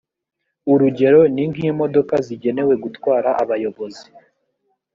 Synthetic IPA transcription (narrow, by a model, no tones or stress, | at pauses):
uɾuɟe̞ɾo̞niŋɡiimo̞do̞kaziɟe̞ne̞we̞ɡutwaːɾaʔaβajo̞βo̞zi